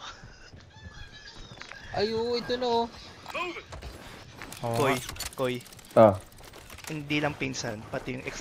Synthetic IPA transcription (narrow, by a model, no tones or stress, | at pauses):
ʔɐjoɪt̪ono | kojkoj | ʔa | hɪnd̪ilɐŋpinsanpɐt̪ɪjʊŋʔɛks